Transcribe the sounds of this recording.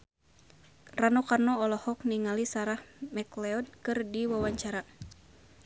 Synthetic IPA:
ranɔkarnɔɔlɔhɔkniŋalisaɾahmɛklɛɔd̚kɨrdiwawaɲt͡ʃaɾa

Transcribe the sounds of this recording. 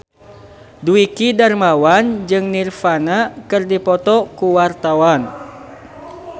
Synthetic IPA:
duikidarmawand͡ʒɨŋnirfanakɨrdipɔt̪ɔkuwart̪awan

